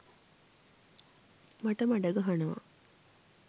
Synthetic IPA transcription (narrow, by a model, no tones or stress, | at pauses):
maʈəmaɖɐɡɐɦanɐʋɐ̰